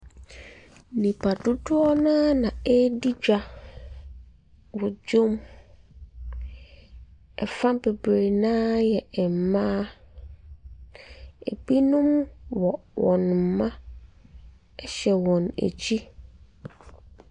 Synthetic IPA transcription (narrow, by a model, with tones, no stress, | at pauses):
nĩ˨pʰa˨dʊ˦dʊ˦ɔ˦nã˦nã˨e˦di˦d͡ʑᶣa˨ | wʊ˨d͡ʑo˦m | ɛ̰˨fã˦m˦be˨bɾe˨nãː˦jɛ˨m̩˨mã˦ | ḛ˨bi˦nʊ̃˦mwɔ˨wʔɔ̰̃˨n˨m̩˨mã˦ | ɛ˦ɕɛ˨wɔ̃˨nḛ˨t͡ɕʰi˦